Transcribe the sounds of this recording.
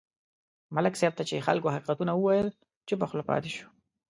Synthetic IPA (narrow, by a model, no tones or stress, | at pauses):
malɪksɛb̚t̪at͡ʃexa̰lkohaqiqat̪unawəwajəl | t͡ʃebaxlapɑ̰t̪eʃu̥